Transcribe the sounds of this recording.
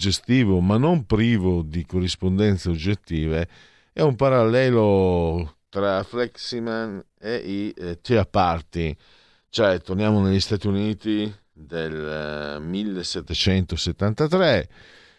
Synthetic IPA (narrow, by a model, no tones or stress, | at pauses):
d͡ʒest̪iːvomanːompɾiːvod̪ikorːispond̪ɛnt̪seod͡ʒːet̪ːiːve | ɛumpaɾalːɛːlo | t̪ɾaflɛksiman | eʔit̪eapːart̪i | t͡ʃoɛt̪ːornjaːmoneʎːist̪aːt̪iuniːt̪i | d̪elmilːesɛt̪ːet͡ʃɛnt̪oset̪ːant̪at̪ɾɛ